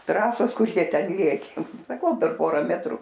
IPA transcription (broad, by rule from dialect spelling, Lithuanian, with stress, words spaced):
ˈtrɑːsoːs ˈkʊr ˈjiɛ ˈtʲɛn ˈlʲeːkʲeː sɐˈkɐʊ pʲɛr ˈpoːrɐ ˈmʲæːtrʊ